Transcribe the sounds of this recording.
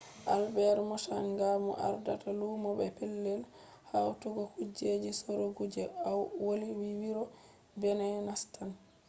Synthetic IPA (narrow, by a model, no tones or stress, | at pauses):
ʔalbɛɾmɔʃaŋɡamɔ̰ʔa̰ɾdatalumɔbɛpɛlːɛl | hawtuɡɔkud͡ʒed͡ʒisɔɾoɡud͡ʒɛawwoliwiwiɾɔ | bɛnɛnastan